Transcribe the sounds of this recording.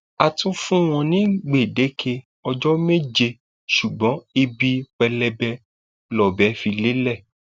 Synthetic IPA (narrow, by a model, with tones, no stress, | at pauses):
a˨tũ˦fũ˦w̃ɔ̃˧nĩ˨˦ɡ͡be˨de˨˦kʰe˧ | ɔ˧d͡ʒɔ˦me˦˨d͡ʒe˧ | ʃu˨ɡ͡bɔ̃˨˦i˧bi˦k͡pɛ˧lɛ˧bɛ˧ | lɔ˨bɛ˨˦fi˧le˦lɛ˦˨